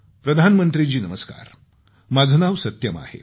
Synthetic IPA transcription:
pɾəd̪ʱanmənt̪ɾid͡ʑiːnəməska̰ɾ | mad͡zʱnaʋsət̪jəma̰hḛ

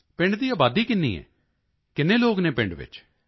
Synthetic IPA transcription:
pɪ̃ɳɖd̪iːaːbaːd̪iːkɪnːḭːɛ̰ː | kɪnːẽːloːɡnẽːpɪ̃ɳɖʋɪ̰t͡ʃ

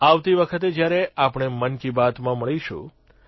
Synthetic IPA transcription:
aʋt̪iʋəkʰət̪ed͡ʒjaɾeapɳ̃emənkibat̪mãməɭiʃṵ̃

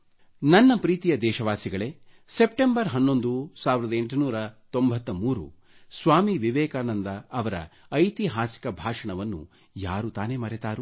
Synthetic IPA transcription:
nɐnːɐpɾiːt̪ijɐd̪ɛːʃɐʋaːsiɡɐɭe̞ | se̞p̚ʈembɐɾɦɐnːo̞nd̪usaːʋiɾɐd̪ɐeɳʈunuːɾɐt̪o̞mbʱɐt̪ːɐmuːɾṵ | sʋaːmiʋiʋɛːkaːnɐnd̪ɐːʋɐɾɐ̰ː | jt̪iɦaːsi̥kɐbʱaːʂɐɳɐʋɐnːṵ | jaːɾut̪aːne̞mɐɾɛt̪aːɾu

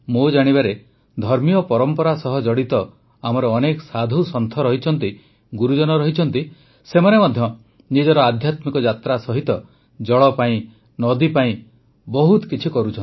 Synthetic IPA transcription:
mud͡ʒaɽ̃iβaɾe | d̪ʱɔɾmijɔpɔɾɔmpɔɾasɔɦɔd͡ʒɔɽit̪ɔ | amɔɾɔːnekɔsad̪ʱusɔnt̪ʰɔɾɔɦit͡ʃʰɔnt̪i | ɡuɾud͡ʒɔnɔɾɔɦit͡ʃʰɔnt̪i | semanemɔd̪ʱjɔ | nid͡ʒɔɾɔad̪ʱjat̪mikɔd͡ʒat̪ɾasɔɦit̪ɔ | d͡ʒɔɭɔpaĩ | nɔd̪ipaĩ | bɔɦut̪kit͡ʃʰikɔɾut͡ʃʰɔni

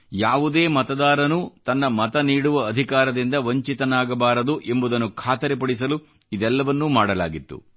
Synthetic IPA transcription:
jaːʋud̪e̞ːmɐt̪ɐd̪aːɾɐnut̪ɐnːɐmɐt̪ɐniːɽuʋɐːd̪ʱikaːɾɐd̪ind̪ɐʋɐɲt͡ʃit̪ɐnaːɡɐbaːɾɐd̪uʔe̞mbud̪ɐnːukʰaːt̪ɐɾɛp̬ɐɽis̬ɐlu | id̪ɛlːɐʋɐnːumaːɽɐla̰ːɡit̪ːṵ

